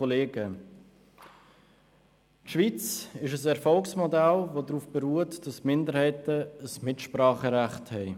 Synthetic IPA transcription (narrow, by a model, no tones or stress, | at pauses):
oleːɡə | tʃvit͡sɪʃəs̬ɛɾfɔlksmodalvodɾuːfb̥ɛɾuːətd̥ɑsmɪndəɾhɛɪtəəsmɪtʃpɾɑːχəɾaχthɛɪ